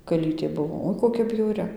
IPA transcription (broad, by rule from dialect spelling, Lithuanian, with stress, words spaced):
kɐˈlʲiːtʲeː ˈbʊʋoː ˈoːɪ koːˈkʲɛ bʲjɛʊˈrʲɪ